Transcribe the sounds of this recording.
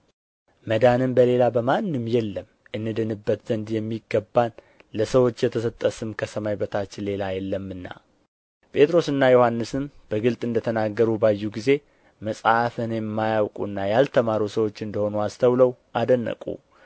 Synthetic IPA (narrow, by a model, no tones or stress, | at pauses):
məd̪anɨmbəle̞labəmanːɨmːjɛlːəm | ʔɨnːɨd̪ɨnɨbːət̪z̥ənd̪jɛmːiɡəbːan | ləsəwo̞t͡ʃːjɛt̪ʰəsət̪ʼːəsɨmkʰəsəmajbət̪ʰat͡ʃːɪnle̞lajɛlːəmːɨnːa̰ | pʰʼe̞t̪ʼɾo̞sɨnːajohanːɨsɨmb̥əɡɨlt̪ʼɨnd̪ət̪ʰənaɡːəɾubajːuɡize̞ | məsʼaafɨnjɛmːajawkʼṵnːajalt̪ʰəmaɾusəwo̞t͡ʃːɨnd̪əho̞nuast̪ʰəwləwʔad̪ənːə̰kʼṵ